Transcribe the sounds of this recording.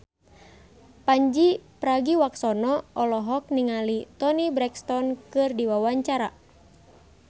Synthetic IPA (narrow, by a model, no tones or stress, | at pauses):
paɲd͡ʒipɾaɡiwaksɔnɔɔlɔɦɔk̚niŋalit̪ɔnibɾɛkst̪ɔnkɨrdiwawaɲt͡ʃaɾa